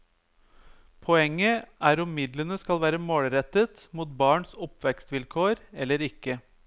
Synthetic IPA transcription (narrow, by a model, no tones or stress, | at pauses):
pʰɔɛŋːəʔæːɾʊmmɪd̪lənəskɑlʋæːɾəmoːɽɾɛt̪ət̪muːt̪̚bɑːɳsɔpʋɛkst̪ʋɪlkʰoːɾɛlːəɾɪkːə